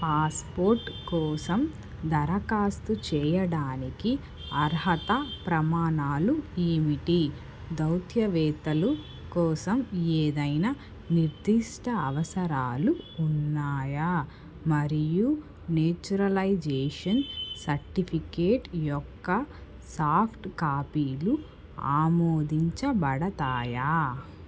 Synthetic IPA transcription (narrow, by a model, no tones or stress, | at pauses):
paːspoːɾʈkɔːsɐm | d̪ɐɾɐkaːst̪ut͡ʃɛːjɐɽaːniki | ɐɾɦɐt̪ɐpɾɐmaːnaːlueːmiʈi | d̪ɐwt̪ʰjɐʋɛːt̪ɐlu | kɔːsɐmeːd̪ɐjnɐ | niɾd̪iʂʈʰɐːʋɐsɐɾaːluːnːaːjaː | mɐɾiju | neːt͡ʃuɾɐlɐjd͡ʒeːʂɐnsɐɾʈipʰikeːʈjɔkːɐ | saːpʰʈkaːpiːlu | a̰ːmoːd̪iɲt͡ʃɐbɐɽɐt̪aːjaː